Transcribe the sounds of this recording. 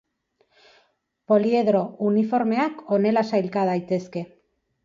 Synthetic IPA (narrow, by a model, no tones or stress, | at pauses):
po̞lie̞ðɾo̞unifo̞ɾme̞ako̞ne̞lasajlkað̞ajt̪e̞ske̞